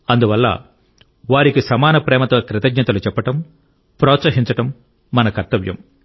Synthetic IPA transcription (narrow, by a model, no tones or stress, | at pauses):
ɐnd̪uʋɐlːɐ̰ | ʋaːɾikisɐmaːnɐpɾɛːmɐt̪oːkɾɪt̪ɐɡɲɐt̪ɐlut͡ʃɛpːɐʈɐm | pɾɔːt̪sɐɦiɲt͡ʃɐʈɐmː | ɐnɐkɐɾt̪ɐʋjɐ̰m